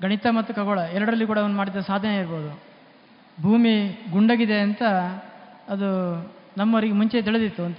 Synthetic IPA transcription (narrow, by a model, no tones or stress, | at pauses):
ɡɐɳit̪ɐmɐt̪ːukɐɡoɭɐɛɾɐɽɾɐlːikuːɽɐːʋɐnːumaːɽid̪ːɐsaːd̪ʱːɐneiɾboːud̪u | bʱuːmiɡuɳɖaːɡid̪e̞ɐnt̪ɐː | d̪unɐmːɐʋɐɾiɡemuɲt͡ʃet̪iɭed̪it̪ːuɐnt̪ɐ